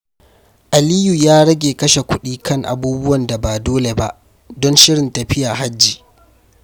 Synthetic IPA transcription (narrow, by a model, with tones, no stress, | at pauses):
ʔa˨liː˦ju˨jaː˦ɽɐ˦ɡʲeː˨kɐ˦ʃe˨kʷʊ˦ɗiː˦kʰɐ˦ŋʔa̰˨buː˦bʊ˦wɐ˨nda˨baː˨doː˦le˨ba˦ʔ | dɔ˦nʃɪ˦ɽɪ˨ntɐ˨ɸɪ˦ja˨ɦa˦d͡ʒːiː˨